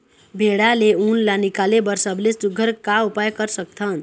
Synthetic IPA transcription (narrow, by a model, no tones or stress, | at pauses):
bʱeɽaleunlanikalebəɾsəblesuɡʱəɾkaupajkəɾsək̚t̪ʰən